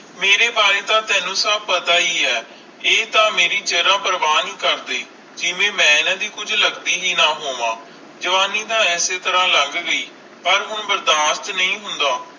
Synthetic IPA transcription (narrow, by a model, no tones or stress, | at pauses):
meːɾeːbaːɾeːt̪ãːt̪ɛːnũːsəb̚pət̪aːiːɛː | eːt̪ãːmeːɾiːt͡ʃeːɾãːpəɾəʋaːniːkəɾd̪eː | d͡ʒɪʋẽːmɛ̃ːɪnãːd̪iːkʊd͡ʒləɡd̪iːɦiːnaːɦoːʋãː | d͡ʒəʋaːniːt̪ãːɛːseːt̪əɾãːləŋɡɡəiː | pəɾɦʊɳbəɾd̪aːst̪nəĩːɦʊnd̪aː